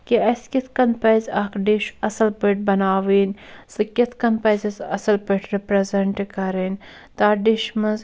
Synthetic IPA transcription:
kiɐskit̪ʰkɐnpɐjzɐːkɖiʃɐsɐlpəʈ̚bɐnaːʋiːnsɨkit̪ʰkɐnpɐjzisɐ̰sɐlpəʈʰɾipɾɐzɐɳʈikɐɾiːn | t̪aːɖiʃmɐz

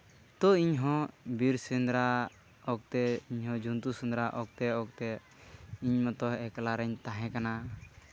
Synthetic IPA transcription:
t̪ɔiɲɦɔ̃biɾsɛnd̪ɾa | ɔk̚t̪ɛiɲɦɔ̃d͡ʒʱunt̪usund̪ɾaʔɔk̚t̪ɛɔk̚t̪ɛ | iɲmɔt̪ɔɦɛkalaɾɛɲt̪aɦɛ̃kana

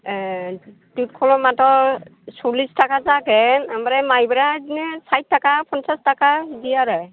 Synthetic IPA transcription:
tut̚kʰɔlɔmatɔsulistakazakɛnambaɾamajbɾazinɛsajt̚ʰːakapʰɔnsastakadijaɾɛj

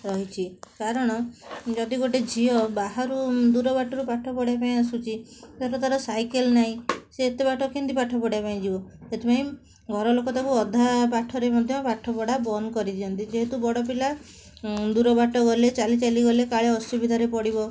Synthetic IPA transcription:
ɾɔɦit͡ʃʰikaɾɔɽ̃ɔd͡ʒɔd̪iɡoʈed͡ʒʱiɔbaɦaɾud̪uɾɔbaʈɔɾupaʈʰɔpɔɽjapaĩasut͡ʃʰit̪aɾɔt̪aɾɔsajkelnaɦĩseːt̪ebaʈʰɔkint̪ipaʈʰɔpɔɽjapaĩd͡ʒibɔet̪ʰepaĩ | ɡʱɔɾɔlokɔt̪akuɔd̪ʱapaʈʰɔɾemɔd̪ʱjɔpaʈʰɔpɔɽabɔnkɔɾit̪ʰiɔnt̪id͡ʒeɦet̪ubɔɽɔp̬ila | d̪uɾɔbaʈɔɡɔlet͡ʃalit͡ʃaliɡɔlekaɭeɔsubid̪ʱaɾepɔɽibɔ

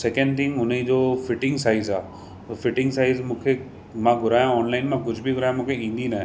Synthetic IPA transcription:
sɛkə̃ɳɖt̪ʰɪ̃ŋɡʊn̤əĩd͡ʑoːfɪʈɪ̃ŋɡsaːɪzaː | fɪʈɪ̃ŋɡsaːɪzmũːkʰe | mãɡʱʊɾaːjãɔːnlaːɪnmãk̬ʊd͡ʑʱbiɡʱʊɾaːjãmũːkʰeĩːn̆d̪inaɦɛ̃

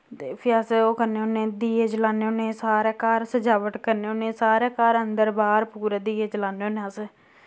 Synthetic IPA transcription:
t̪eːpʰɪjaːseoːkəɾneːoːneːd̪iːeːd͡ʒəlaːneːoːneːsaːɾaːkaːɾsəd͡ʒaːʋəʈkəɾneːoːneːsaːɾeːkaːɾənd̪əɾbaːɾpuːɾeːd̪iːeːd͡ʒəlaːneːoːnẽəse

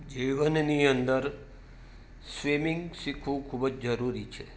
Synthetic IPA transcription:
d͡ʒiʋənniənd̪əɾ | sʋimiŋɡʃikʰʋũkʰubəd͡ʒd͡ʒəɾuɾit͡ʃʰe

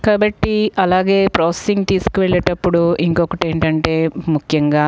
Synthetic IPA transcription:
kaːbɐʈːiɐlaːɡe̞ːpɾoːsesiŋɡt̪iːsu̥kuʋeɭːeːʈɐpːuɽuiŋkɔkɐʈe̞ːɳʈɐɳʈe̞ːmukʰjɐŋɡaː

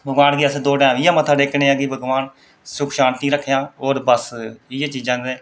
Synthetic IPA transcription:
bəɡʋaːnɡiːəsd̪oːʈɛ̃ːmɪjãːmət̪ʰːaːɖeːkʰnẽːaːɡiːbəɡʋaːn | sʊkʰʃaːnt̪ʰĩːɾəkʰːjãːoːɾbəsɪːaːt͡ʃiːd͡ʒãːeː

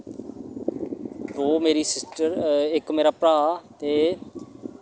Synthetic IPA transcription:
d̪oːmeːɾiːsɪsʈəɾɪkmeːɾaːpɾaːt̪eː

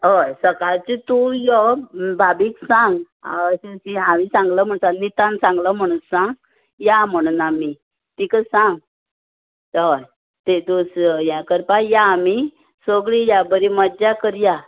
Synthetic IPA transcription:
ɦɔjsəkaɾt͡ɕit̪ujɔbʱabiksãŋɡ | asesiɦamisãŋɡləm̤əɳsanit̪ãnsãŋɡləm̤əɽ̃ũnsãŋɡ | jam̤əɽ̃unami | t̪ikəsãŋɡ | ɦoj | t̪ed̪usjãkəɾpajaːmi | soɡɭijabəɾimədd͡ʑakəɾja

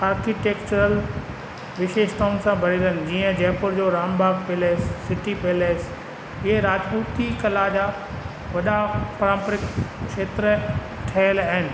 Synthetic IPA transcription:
aːɾkiʈeːkt͡ɕʊɾəl | ʋɪʃeːʃt̪aːʊ̃nɪ̆sãbʱɐɾiɾənɪ̆d͡ʑiːə̃d͡ʑɛːpʊɾd͡ʑoːɾaːmbʱaːɡpeleɪsːɪʈipeleɪs | ɪɦeɾaːd͡ʑpuːt̪ikɐlad͡ʑaː | ʋɐɗapɐɾãːmpɾɪkkʃeːt̪ɾə | ʈʰɐːəlaɦɪnɪ̆

